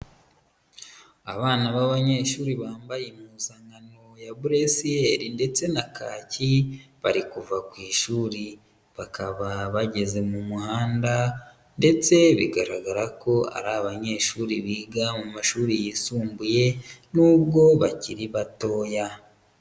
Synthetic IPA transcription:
a̰βaːnaβaβaɲe̞ʃuːɾiβaːmbajemuzaŋɡanojabuɾesieɾinde̞t͡se̞nakʰaːciβaɾikuvakwiːʃuːɾi | βakʰaβaβaɟe̞ze̞mumuhaːnda | nde̞t͡se̞βiɡaɾaɡaɾako̞a̰ɾaβaɲe̞ːʃuːɾiβiːɡamumaʃuːɾijisuːmbuje̞nuːbɡo̞βaciɾiβato̞ːja

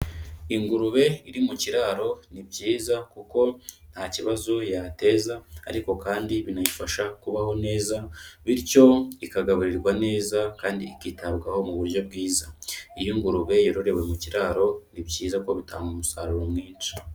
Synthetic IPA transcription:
iŋɡuɾuβe̞iɾimuciɾaːɾo̞nibɟiːzakuko̞n̥haciβazujate̞za̰ːɾiko̞kaːndiβinajifaʃakuβaho̞ne̞ːzaβiɾco̞ikaɡaβuɾiɾɡwane̞ːzakaːndiːkitaβɡaho̞muβuɾjo̞b̚ɡiːzaijiŋɡuɾuβe̞joɾoɾe̞we̞muciɾaːɾo̞nibɟiːzako̞βita̰ːŋɡumusaɾuɾomŋiːnt͡ʃi̥

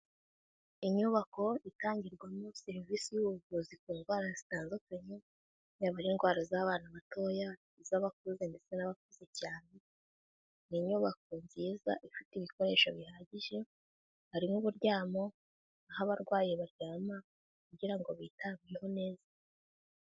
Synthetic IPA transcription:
iɲuβako̞itaːɲɟiɾɡwamoseɾiviːsijuɡuzikuːŋɡwaːɾazitaːnzukaɲe | naβaɾinɡwaːɾazaβaːnaβato̞ːja | izaβak̚uze̞nde̞t͡se̞naβak̚uze̞caːne̞ | niɲuːβak̚o̞nziːza̰ʔifitiβiko̞ɾe̞ːʃaβihaɟiʒe̞ | haɾimŋuβuɾɟaːmo̞ | ahaβaɾɡwaːjeβaɾɟ̥aːma | kuɟiɾaŋɡoβiːtaːmiɾeho̞ne̞ːza

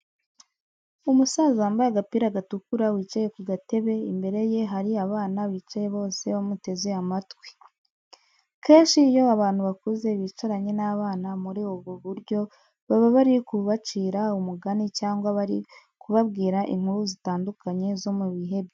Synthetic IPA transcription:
umusaːzuambajaɡapiːɾaɡatukuɾawiːt͡ʃaje̞kuɡate̞βe̞imbe̞ɾe̞je̞ɦaɾiaβaːnawiːt͡ʃaje̞βo̞ːse̞βamute̞ze̞amatwe̥ | ke̞ːnʃiːjo̞aβaːn̥huβakuze̞βit͡ʃoɾaɲe̞naːβaːnamuɾioβuβuɾɟo̞ | βaβaβaɾikuβat͡ʃiːɾaumuɡanicaːŋɡwaβaɾi | kuβabɡiːɾaʔḭŋ̥huɾuzitaːndukaɲe̞zo̞muβiɦe̞be

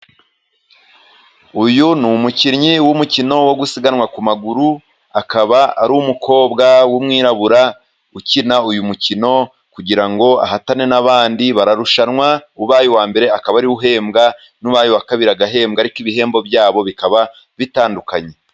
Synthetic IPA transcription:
ujunumuciɾɲiwumucino̞wo̞ɡusiɡanwakumaɡuɾu | akaβaa̰ɾuːmukʰo̞ːbɡawumŋiːɾaβuɾa | ucinaujumucino̞ | kuɟiɾaŋɡo̞a̰ɦatane̞naβaːndiβaɾaɾuʃanŋwauβaːjuwaːmbe̞ɾe̞akaβaɾiuɦe̞ːmɡa | nuβaːjowakaβiɾaɡaɦe̞ːmɡaɾikiβihe̞ːmbo̞bjaːβo̞βikaβa | βitaːndukaɲe

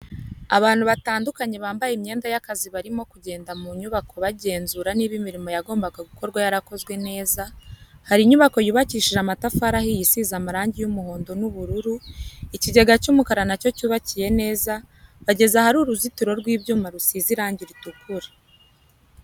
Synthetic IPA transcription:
aβaːn̥huβataːndukaɲe̞βaːmbajemɲe̞ːndajakaziβaɾimo̞kuɟe̞ːndamuɲuβakʰo̞βaɟe̞ːnzuɾaniːβimiɾimo̞jaɡoːmbaɡaɡuko̞ɾɡwajaɾako̞zɡwe̞ne̞ːzahaɾiɲuβako̞juːβaciːʃiʒamatafaɾahijisizamaɾaːɲɟijumuho̞ːndo̞nuβuɾuɾuiciɟe̞ɡacumukaɾanaco̞cuːβacije̞ne̞ːza | βaɟe̞zahaɾuɾuzitiɾo̞ɾɡwiːbjuːmaɾusiziɾaːɲɟiɾitukʰuɾḁ

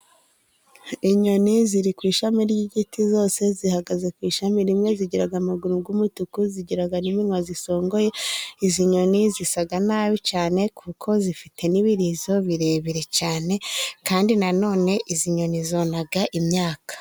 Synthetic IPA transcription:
iɲo̞niziɾikwiːʃamiɾɟiɟitizo̞ːse̞zihaɡaze̞kwiːʃamiɾimŋe̞ziɟiɾaɡamuɡuɾuɡwumutukuziɟiɾaɡaniminwaziso̞ːŋɡoje̞iziɲo̞nizisaɡanaːβicaːne̞kʰukʰo̞zifitʰe̞niβiɾizo̞βiɾe̞βiɾe̞caːne̞kaːndinano̞ːne̞ʔiziɲo̞nizo̞naɡaʔimɲaːkḁ

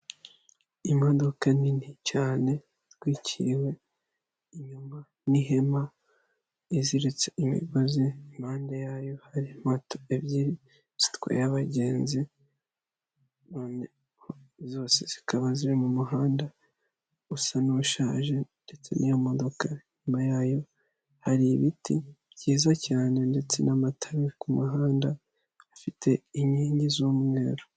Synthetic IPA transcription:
imo̞dokaninicaːne̞ | tɡwiːcʰiɾwe̞ | iɲuma | niɦe̞ma | iziɾet͡seʔimḭɡoziimhaːndejaːjo̞haɾimatʰo̥ebɟiɾi | zi̥tkwa̰jaβaɟe̞ːnzi | noːne | hozo̞ːse̞z̥ikaβaziɾemumuɦaːnda | usanuuʃaːʒe̞nde̞t͡se̞̰nijomo̞do̞kaɲumajaːjo̞ | haɾiβiti | ɟiːzacaːne̞nde̞t͡se̞̰namatʰaɾikumuɦaːnda | afitʰe̞iɲiːɲɟizuːmŋe̞̰ːɾo

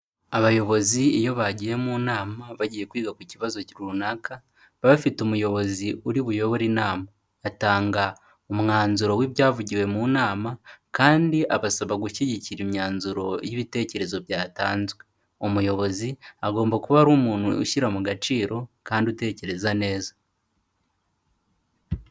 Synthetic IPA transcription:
aβajo̞βo̞ziejo̞βaɟije̞muːnaːmaβaɟije̞kwiːɡakuciβazo̞ciɾuunaka | βaβfitumujo̞βo̞ziuɾiβujo̞βoɾinaːmaː | taːŋɡa | omŋaːnzuɾo̞wiβjaːvuɟiwe̞munaːmakaːndiʔaβasaβaɡuʃiɟiciɾimɲaːnzuɾo̞jiβite̞ːce̞ɾe̞zo̞bjaːtaːnzwe̞ | omujo̞βo̞ziaɡo̞ːmbakuβaɾuːmuːn̥huṵʃiɾamuɡat͡ʃiːɾo̞kaːndiute̞ːce̞ɾe̞zane̞ːzḁ

